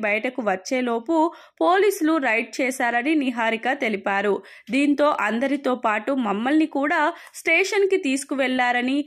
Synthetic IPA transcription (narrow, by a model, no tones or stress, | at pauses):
bɐjɐʈɐkuʋɐt͡ʃːe̞ːlo̞ːpu | po̞ːliːsuluɾɐjʈ̚t͡ʃɛːʃaːɾɐniniɦaːɾiɡaːt̪e̞lipaːɾu | d̪iːnt̪o̞ːʔɐnd̪ɐɾit̪o̞ːpaːʈumɐmːɐlnikuːɽaː | sʈeːʂɐnkit̪iːsu̥kuʋɛɭːaːɾɐni